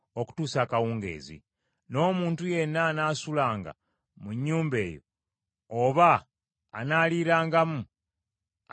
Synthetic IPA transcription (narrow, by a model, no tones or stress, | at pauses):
o̞ku̥tuːsaːkawuːŋɡe̞̰ːzḭ | no̞ːmuːntuje̞nːanasulaːŋɡa̰ | muɲːuːmbe̞ːjo̰ | oβa̰ː | naːliːɾaːŋɡamu